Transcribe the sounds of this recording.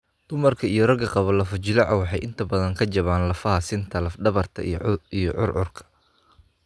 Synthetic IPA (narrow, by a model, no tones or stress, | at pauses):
d̪̥ʊmɐrkʰɐijɞrɐɡɐqɑβɐlɐfɔt͡ʃɪlɑʕɐwɑħɑjʔɪnt̪ʰɐbɐðɐŋkʰɐt͡ʃɐβaːnlɐfɐɦɐsɪnt̪ʰɐlɐfɖɐβɐrt̪ʰɐ̰ḭijɔ̰ʕʊ̰rʕʊ̰rkʰɐ̥